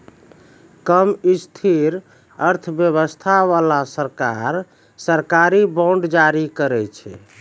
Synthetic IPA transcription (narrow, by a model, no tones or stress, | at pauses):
kəmist̪ʰiɾ | əɾt̪ʰəbjəβəst̪ʰaʋalasəɾkaɾ | səɾkaɾibɔ̃ɳɖd͡ʒaɾikəɾɛt͡ʃʰɛ̰